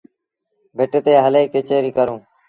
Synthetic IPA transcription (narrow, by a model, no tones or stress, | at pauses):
bʱeʈːt̪eːɦəleːkeːt͡ʃeːɾiːkəɾõː